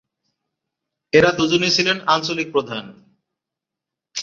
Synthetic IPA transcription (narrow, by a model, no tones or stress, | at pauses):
eɾad̪ud͡ʑonet͡ɕʰilenant͡ɕolik̚pɾod̪ʱan